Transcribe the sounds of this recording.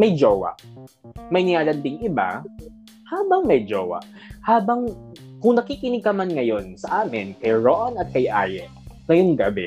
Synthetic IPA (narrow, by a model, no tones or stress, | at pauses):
mɐjd͡ʒowɐ̰ʔmɐjnɪŋaːlɐnd̪ɪŋɪba̰ | haːbɐŋmɐjd͡ʒo̰ːwɐ̰ʔ | haːbɐŋ | kʊŋnɐkiːkɪnɪɡ̚kɐmanŋɐjonsɐʔaːmɪnkɐjɹoʔɐnɐt̪̚kɐjʔa̰ːjɛʔŋɐjoŋɡɐbɛ